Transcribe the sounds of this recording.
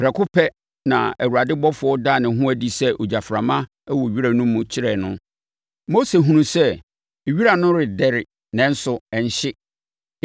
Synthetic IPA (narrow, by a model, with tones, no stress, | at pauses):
pʰɾɛ˨kʰʊ˦pʰɛ˦ | nã̰˨æ˨wu˨a˨dɪ˦bɔ˦fʊ˨ɔ˦daː˦˨nɪ̃˨˦ɦʊ̃˦æ˨di˨sɛ˦ʔo˨d͡ʑa˨fɾa˨mã˦ | wɔ˨ɥi˦ɾa˨nʊ̃˦mũ˦t͡ɕʰɪ˦ɾɛ˨nʊ̃˦ | mo˦se˨ɦũ˦nũ˦sɛ˦˨ | ɥi˦ɾa˨nʊ̃˦ɾɪ˨dɛ˦ɾɪ˨ | nɛ̃˦n̩˦sʊ˨ɛ˨ɲ̩˨˦ɕɪ˦